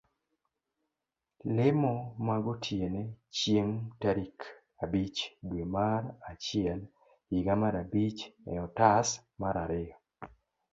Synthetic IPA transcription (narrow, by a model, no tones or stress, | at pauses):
lɪmɔmaɡɔtʰjenet͡ʃjemtaɾik | abit͡ʃdwemaɾat͡ʃɪɛl | iɡamaɾabit͡ʃɛɔtasmaɾaɾɪɔ